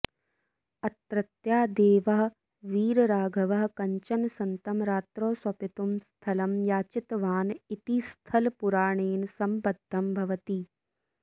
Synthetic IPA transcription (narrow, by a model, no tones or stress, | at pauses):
ɐt̪ɾɐt̪jaːd̪eːʋɐɦ | ʋiːɾɾaːɡʱɐʋɐɦkɐɲt͡ʃɐnsɐnt̪ɐmɾaːt̪ɾoːsʋɐpit̪umst̪ʰɐlɐmjaːt͡ʃɪt̪ʋaːnit̪ist̪ʰɐlpuɾaːɳeːnsɐmpɐd̪ʱːɐmbʱɐʋɐt̪iː